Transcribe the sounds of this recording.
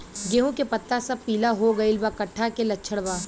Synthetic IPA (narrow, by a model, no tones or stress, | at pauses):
ɡeːɦũkepɐt̪ːasɐpiːlaɦoɡɐɪlbakɐʈʰːakelɐtːʃʰəɽbaː